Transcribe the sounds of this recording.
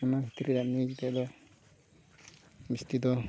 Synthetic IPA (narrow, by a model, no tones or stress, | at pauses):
ɛnabʱit̪iɾidaʔnid͡ʒd̪ɛd̪ɔ | bist̪id̪ɔ